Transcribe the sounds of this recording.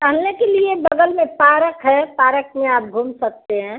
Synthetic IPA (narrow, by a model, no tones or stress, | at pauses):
kəɦəlnekeliebəɡ̪əlmẽpaːɾəkɦɛpaːɾək̚mẽaːp̚ɡʱuːmsək̚t̪eɦɛ̃ː